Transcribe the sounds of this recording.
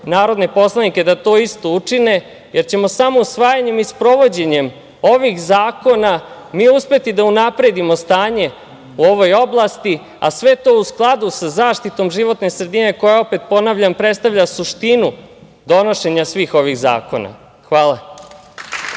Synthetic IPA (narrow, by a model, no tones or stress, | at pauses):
naːɾo̞d̪ne̞po̞slˠanikʲe̞d̪at̪o̞ːist̪o̞ut͡ʂine̞ | jʔe̞ɾt͡ɕe̞mo̞samousʋaːjaɲe̞mispɾo̞ʋo̞d͡ʑe̞ɲe̞m | o̞ʋixzaːko̞na | miːuspe̞t̪id̪aunapɾe̞d̪imo̞st̪aːɲe̞ | uo̞ʋo̞jo̞blˠast̪i | a̰sʋe̞t̪o̞ːusklˠad̪usazaːʃt̪it̪o̞mʒiʋo̞t̪ne̞sɾed̪ine̞ko̞jao̞pet̪po̞naʋʎampɾe̞t̪st̪aʋʎasuʂt̪inu | d̪o̞no̞ʃe̞ɲasʋiːxo̞ʋiɣza̰ːko̞̰na̰ | xʋaːla